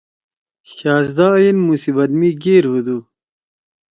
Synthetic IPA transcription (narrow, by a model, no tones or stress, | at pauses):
ɕaːzd̪aːjinmusibɐd̪miɡeːɾhud̪uː